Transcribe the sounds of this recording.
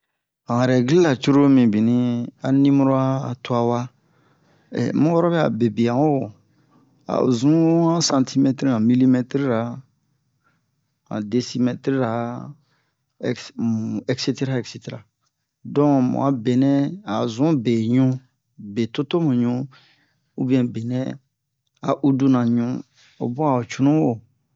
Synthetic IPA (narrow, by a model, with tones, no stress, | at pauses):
ã˨ɾɛ˨ɡli˦la˨t͡ʃu˦ɾo˦mĩ˨bi˨nĩ˦a˨nĩ˦mu˦ɾo˦a˦˨tʊ˦a˨wa˦ | ɛ̰˨mũ˦wɔ˦ɾɔ˦bɛ˦a̰˨be˨bi˨ã˨o˦wo˨ | a̰˨zũ˦ã˦sã˨ntʰi˦mɛ˦tɾi˦ã˨mi˦li˦mɛ˦tɾi˦ɾa˨˦ | ã̰˨de˨si˦mɛ˨tɾi˦ɾa˨ | ɛ˨kse˦te˦ɾa˦ɛ˨kse˨te˨ɾa˨ | dɔ̃˦˨mṵ̃˨a˨be˨nɛ̃˦a˨zũ˦be˨ɲũ˦ | be˨to˦to˦mũ˨ɲũ˦ | u˦bĩ˨ɛ̃˨be˨nɛ̃˦ | a̰˨ʔu˦du˦nã˨ɲũ˦ | o̰˨bɔ˦a˨o˨t͡ʃu˨nũ˦o˨